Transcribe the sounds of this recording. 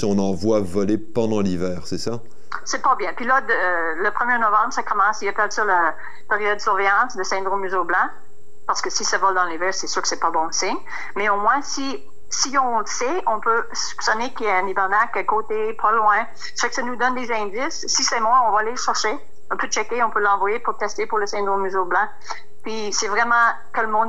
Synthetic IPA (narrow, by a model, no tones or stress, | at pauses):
ɔ̃nɑ̃vwavɔlepɑ̃d̪ɑ̃livɛːʁsɛsa | sɛpɑbjɛ̃pɥilad̪ | ləpχəmjenɔvɑ̃bʁsakɔmɑ̃sijapt̪ɛt̪sɔlə | peʁijɔd̪ːəsyʁvɛjɑ̃sd̪əsɛ̃d̪ʁõmyzoblɑ̃ | paʁsə̥kəsisavɔld̪ɑ̃livɛːʁsɛsyːʁkə̥sɛpɔbɔ̃sɛ | mɛomwɛ̃si | siɔ̃ləsɛʔɔ̃pø | sy̥psɔnekiɛɛ̃nibaʁnakəkot̪epʰalwɛ̃ | sə̥fɛkə̥sanud̪ɔnd̪ezɛ̃d̪ɪsːisɛmwɛ̃ɔ̃vaːleʃɛʁʃe | ɔ̃pøt͡ʃɛkeɔ̃pølɑ̃vwajepuʁt̪ɛst̪epuʁləsɛ̃d̪ʁõmːyzoblɑ̃ | pɥi | sɛvʁɛmɑ̃ | kələmɔ̃d̪